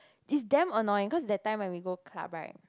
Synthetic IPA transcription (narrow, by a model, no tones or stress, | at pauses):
isdɛ̃mənɔĩŋkɔs̬dɛt̚tːãj̃mwɛ̃nwiɡokʰla̰ba̰